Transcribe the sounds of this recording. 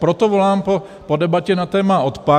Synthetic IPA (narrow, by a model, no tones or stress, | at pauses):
pɾot̪ovo̞laːmpo | podɛbacɛnat̪ɛːmao̞t̪pa